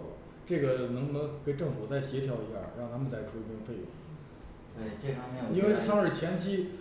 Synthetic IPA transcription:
ʈ͡ʂɤ˥˩ɡə˩˧nɤ˧˥ŋnə˧˥ke˧˩ɪʈ͡ʂɤ˥˩ŋfu˨˩t͡sa˥˩ɪɕjɛ˧˥t̪ʰjɑ˧˥ʊi˧˥ɕja̰˥˩ɻɑ˥˩ŋt̪ʰa˥mə˨nt͡sa˥˩ɪʈ͡ʂʰu˥˧i˧˥pʰjɛ˥nfe˥˩ɪjʊ̰˧˩˦ŋ | t̪we˥˩t͡ɕɛ˥˩ɑ˥me˧˥o˨i˥nwe˧˥˧ɪt̪ʰɑ˥ŋə˞˨˩t͡ɕʰjɛ˧˥nt͡ɕʰi˥

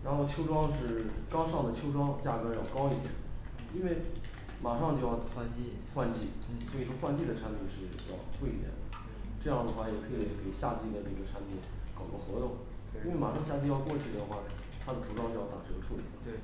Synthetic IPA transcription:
ɻa˧˥nxo˥˧ʊt͡ɕʰjo˥ʊʈ͡ʂwɑ˥ŋʂɻ̩˥˩kɑ˥ʊʂɑ˥˩ŋd̪ə˩t͡ɕʰjo˥ʊʈ͡ʂwɑ˥ŋt͡ɕja˥˩kɤ˧˥jɑ˥˩ʊkɑ˥ʊi˥˩ɛ̰˨˥˦ | i˥nwe˥˩ɪ | ma˨˩ʂɑ˥˧ŋt͡ɕjo˥˧ʊjɑ˥˧ʊxwa˥˧nt͡ɕ | xwa˥˧nt͡ɕi˥˩swɔ˧˥i˨˩ʂwɔ˥xwa˥˧nt͡ɕi˥˩d̪ə˩ʈ͡ʂʰa˥npʰi˥˩nʂɻ̩˥˩ | jɑ̰˥˩ʊku˥˩i˥˩jɛ̰˨˩˦nd̪ə̰˧˦ | ʈ͡ʂɤ˥˧jɑ˥˩ŋd̪ə˩xwa˥˩jɛ˨˩kʰɤ˧˥i˧˩ke˨˩ɪɕja˥˧t͡ɕi˥˩d̪ə˩ʈ͡ʂɤ˥˩ɡə˩ʈ͡ʂʰa˥npʰi˥˩nkɑ˨˩ʊʈ͡ʂxɤ˧˥t̪ʊ˨˩˦ŋ | i˥e˥˩ɪma˨˩ʂɑ˥˧ŋɕja˥˧t͡ɕi˥˧jɑ˥˧ʊkwɔ˥˧t͡ɕʰy˥˩d̪ə˩xwa˥˩ | t̪ʰa˥d̪ə˨t̪ʰu˧˥ʈ͡ʂwŋt͡ɕjo˥˧jɑ˥˩t̪a˨˩ʈ͡ʂɤ˥˧˩ɡə˧˩ʈ͡ʂʰu˥˩lḭ˨˩lə˦˧

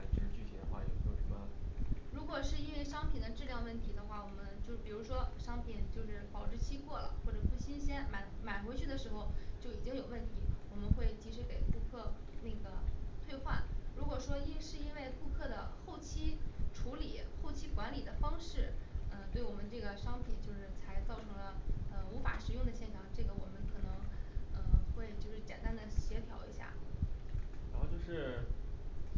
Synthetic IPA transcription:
a˧˩ʈ͡ʂ̩˥˧t͡ɕy˥˧˩ɕɛ̰˧˥˩ə˧xwa̰˥˩jo˥˩tʰɔ˥˧˩u˥a̰˥˩ɻu˧˥kwɔ˨˩ʂɻ̩˥˧i˥nwe˥˧ɪʂɑ˥ŋpʰi˨˩nd̪ə˦ʈ͡ʂɻ̩˥˧ljɑ˥˧ŋwə˥˩nt̪ʰi˧˥d̪ə˧xwa˥˩wɔ˨˩mə˦nt͡ɕjo˥˧ʊ˩pi˨˩ɻu˧˥ʂwɔ˥ʂɑ˥ŋpʰi˨˩nt͡ɕjo˥˧ʊʂɻ̩˥˩pɑ˨˩ʊʈ͡ʂɻ̩˥˩t͡ɕʰi˥kwɔ˥˩lə̰˩xwɔ˥˩ʈ͡ʂɤ˨˩pu˥˩ɕi˥nɕjɛ˥nma˨˩˦nma˨˩nxwt͡ɕʰy˥˩d̪ə˩ʂɻ̩˧˥xo˧ʊt͡ɕjo˥˩ʊi˨˩t͡ɕi˥ŋjo˨˩ʊwə˥˩nt̪ʰi˧˥wɔ˨˩mə˦nxwe˥˩ɪt͡ɕi˧˥ʂɻ̩˧˥ke˨˩ɪku˥˧kʰɤ˥˧ne˥˩ɡə˩t̪ʰwe˥˧ɪxwa̰˥˩nɻu˧˥kwɔ˨˩ʂwɔ˥i˥ʂɻ̩˥˩i˥nwe˥˧ɪku˥˧kʰɤ˥˩d̪ə˩xo˥˩ʊt͡ɕʰi˥ʈ͡ʂʰu˧˥li˨˩˦xo˥˩ʊt͡ɕʰi˥kwa˧˥nli˨˩d̪ə˦fɑ˥ŋʂɻ̩˥˩ə˧t̪we˥˩ɪwɔ˨˩mə˦nʈ͡ʂɤ˥˩ɡə˩ʂɑ˥ŋpʰi˨˩nt͡ɕjo˥˧ʊʂɻ̩˥˩t͡sʰa˧˥ɪt͡sɑ˥˩ʊʈ͡ʂʰɤ˧˥ŋlə˧ə˧u˧˥fa̰˨˧˥ʂɻ̩˨˧˥jʊ˥˩ŋd̪ə˩ɕjɛ˥˩nʈ͡ʂʰɑ˨˩ŋʈ͡ʂɤ˥˩ɡə˩wɔ˨˩mə˦nkʰɤ˨˩nɤ˧˥ŋə˧xwe˥˧ɪt͡ɕjo˥˧ʊʂɻ̩˥˩t͡ɕjɛ̰˨˩nt̪a˥nd̪ə˨ɕjɛ˧˥t̪ʰjɑ̰˧˥ʊḭ˧˥ɕja̰˥˩ | ɻa˧˥xo˥˧ʊt͡ɕjo˥˧ʊʂɻ̩˥˩

